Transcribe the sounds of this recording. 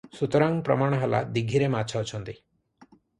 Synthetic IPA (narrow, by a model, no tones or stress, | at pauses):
sut̪ɔɾaŋpɾɔ̰maɽ̃ɔɦala̰d̪iɡʱiɾemat͡ʃʰɔːt͡ʃʰɔnt̪i